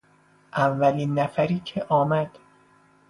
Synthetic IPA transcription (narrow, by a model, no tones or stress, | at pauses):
ʔævːæliːnːæfæɾiːcʰeʔɒːmæd̪̥